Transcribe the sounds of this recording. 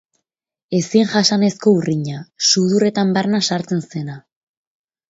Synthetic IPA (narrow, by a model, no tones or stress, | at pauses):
e̞siŋʝasane̞sko̞uriɲasuðure̞t̪ambaɾnasaɾt͡se̞nse̞na